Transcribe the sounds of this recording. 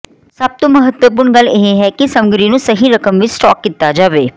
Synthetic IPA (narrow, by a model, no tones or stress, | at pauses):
sɐb̚t̪omɐɦət̪wəp̬ʊːɾɳɡɐleɦeɦɛkisɐ̃mɡɾinũsɐɦiɾɐkəmʋɪt͡ʃsʈɔːkːɪt̪ad͡ʒaːʋeː